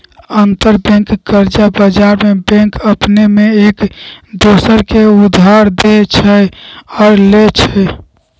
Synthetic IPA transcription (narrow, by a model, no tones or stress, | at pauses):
ənt̪əɾbɛ̃ŋkːəɾd͡ʒabəd͡ʒaɾmebɛ̃ŋkəpnemeekd̪osəɾkeud̪ʱːaɾd̪et͡ʃʰɛɔɾlet͡ʃʰɛ